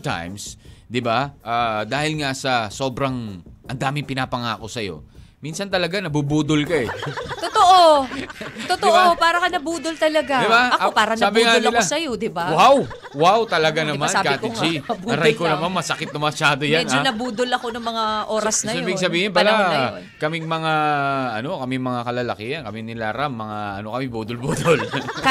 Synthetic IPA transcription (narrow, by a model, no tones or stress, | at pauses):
t̪a̰jmsd̪ɪbaʔaːd̪aːhɪlŋasɐso̞ːbɾɐŋʔɐnd̪aːmɪŋpɪnaːpɐŋa̰ːko̞sɐjo̞̰minsɐnt̪ɐlɐɡanɐbubuːd̪olkɐɛt̪ot̪oʔo | t̪ot̪oʔopaːɾɐkɐnɐbuːd̪olt̪ɐlɐɡad̪ɪbaɐɐopaːɾɐsaːbɪŋaolɐlosɐjod̪ɪbawaw | wawt̪ɐlɐɡanɐmankaːtɪd͡ʒiɐbɐɾajkonɐmanmɐsɐkɪt̪̚nɐmɐʃaːd̪ojaɛd͡ʒd͡ʒonɐbuːd̪olɐkonɐŋmɐŋaʔo̞ːɾɐsnɐɪbɪɡsɐbiːhɪnpɐla | kɐmɪŋmɐŋaɐno̞kɐmimɐŋakɐlɐlɐkɪɐnkɐmɪŋnɪlaɾamːɐŋa̰ʔɐ̰no̞kɐmɪbuːd̪ʊlbuːd̪ol